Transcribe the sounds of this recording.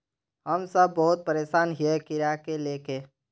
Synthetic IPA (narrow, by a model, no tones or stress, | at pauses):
ɦəmsəb̚ːəɦʊt̪̚pəɾeːʃaːnɦiekɪɾakeleːkeː